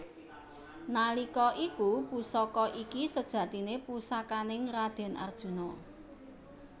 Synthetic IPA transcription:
nalikɔʔikupusɔkɔʔikisəd̥ʒ̥ä̤t̪inepusakanɪŋrad̪̥ɛ̤nʔa̰rd̥ʒ̥ṳnɔ

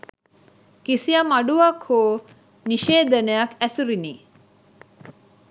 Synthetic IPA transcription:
kisijɐmɐɖuʋɐkhoː | niʃeːd̪ɐnejɐkæsuɾiniː

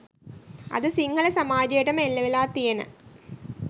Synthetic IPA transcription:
ɐ̰ðɨsiŋɡɐɭɐsɐmaːd͡ʑɐjɐʈɐmelːɐʋilaːt̪ːijɐnɨ̰

